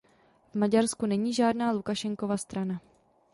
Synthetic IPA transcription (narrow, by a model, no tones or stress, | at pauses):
vmaɟaɾskunɛɲiːʒaːdnaːlukaʃɛŋko̞vast̪ɾana